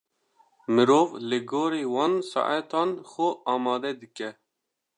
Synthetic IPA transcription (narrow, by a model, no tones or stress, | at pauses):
mɨɾoːvlɨɡoːɾeːwɑːnsɑ̰ʔat̪ɑːnxʊʔɑːmɑːd̪ɛd̪ɨkɛ